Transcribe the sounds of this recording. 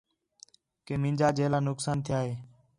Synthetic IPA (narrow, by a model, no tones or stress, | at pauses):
keːmĩːnd͡ʒaːd͡ʒeːlaːnʊksaːnt̪ʰɪjaːɦeː